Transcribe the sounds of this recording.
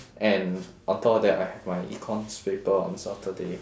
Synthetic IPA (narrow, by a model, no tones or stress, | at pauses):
ʔɛ̃nʔãtʰɔdɛtajhɛvmajʔḭkʰɔ̃nspepəɔ̰̃nsatʰəde